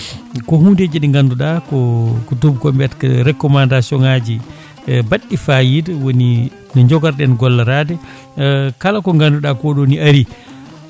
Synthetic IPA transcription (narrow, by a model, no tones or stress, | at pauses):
kɔhunded͡ʒiɗiŋɡanduɗakɔkɔtubkɔmbɛtkaɾɛkːɔmandasɔŋad͡ʒi | baɗːifajidwoni | nɔɲd͡ʒɔɡaɾɗɛnɡɔlːaɾadɛ | kalakɔŋɡanduɗakɔɗoniaɾi